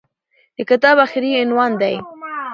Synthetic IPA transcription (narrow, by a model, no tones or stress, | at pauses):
d̪̥əkɪt̪ɑβaxɾiɪnwɑnd̪aj